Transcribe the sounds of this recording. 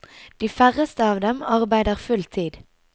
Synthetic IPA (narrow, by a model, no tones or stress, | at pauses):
d̪̥iːfæʁəst̪əɑːʋd̪ɛmɑʁbæɪd̪əʁfʉlt̪ʰiːd̪